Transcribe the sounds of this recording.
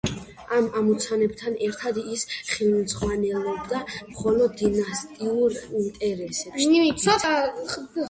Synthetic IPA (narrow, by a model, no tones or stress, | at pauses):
amamɔt̪sʰanɛbt̪ʰanɛɾt̪ʰad̪isχilˠmsχwanɛlˠɔbd̪amχɔlɔd̪ːinast̪ʼiuɾint̪ʼɛɾɛsɛpʃii